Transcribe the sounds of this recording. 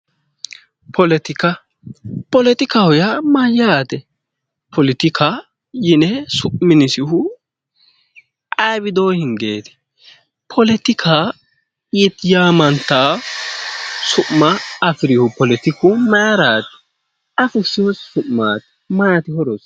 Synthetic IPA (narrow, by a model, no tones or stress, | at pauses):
pʰɔlɛt̪ɪkɐ | pɔlɛt̪ɪkɐhɔjɐmɐjaːt̪ɛ | pʰɔlɪt̪ɪkʰa | jɪnɛsʊʔmɪnɪsɪɦʊ | ʔɐjbɪd̪oːhɪŋɡeːt̪ɛ̥ | pʰɔlɛt̪ɪkʰa | ɪt̪ɪjamɐnt̪ːa | sʊʔmːɐːfɪɾɪhʊpɔlɛt̪ɪkʊmɐɾaːt̪ɛ̥ | ɐfʊsɪhɔssʊʔmaːt̪ɛ̥ | mɐjɐt̪ɪhɔɾɔs